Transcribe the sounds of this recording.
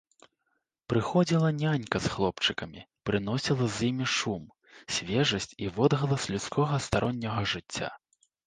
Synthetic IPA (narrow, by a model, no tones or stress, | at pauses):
pɾɨxɔd͡zʲilˠɐnʲanʲkɐsxlˠɔpt͡ʂɨkɐmʲḭpɾɨnɔsʲilˠɐzʲimʲiʂum | sʲvʲɛʐɐsʲt͡sʲivɔd̪ɣɐlˠɐslʲut̪skʰɔɣɐst̪aɾʔɔnʲːɐɣɐʐɨt͡sʲːa̰